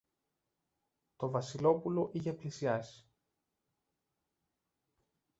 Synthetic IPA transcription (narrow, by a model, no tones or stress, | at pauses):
t̪o̞vɐsilo̞pulo̞ʔiçe̞plisiɐsi̥